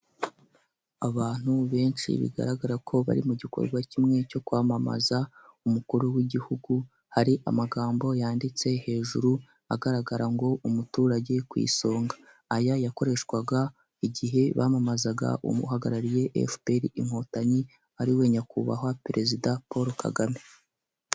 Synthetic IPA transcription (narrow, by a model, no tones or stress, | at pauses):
aβaːn̥huβe̞ːnʃḭβḭɡa̰ɾaɡaɾakʰo̞βa̰ɾimuɟiko̞̰ɾɡwacimŋe̞co̞kwaːmama̰zaumukuɾuwiɟihuɡu | haɾiʔa̰maɡaːmbo̞jaːndit͡se̞he̞ːʒuɾu | aɡaɾaɡaɾaŋɡo̞umutuːɾaɟe̞kwḭːso̞ːŋɡḁː | jajako̞ɾe̞ʃkwaɡa | iɟiɦe̞βamamazaɡa̰ʔṵmṵhaɡaɾaɾije̞ʔḛfbeɾiim̥ho̞taɲi | aɾiwe̞ːɲakuβa̰ɦapeɾe̞zidapo̞ɾoka̰ɡame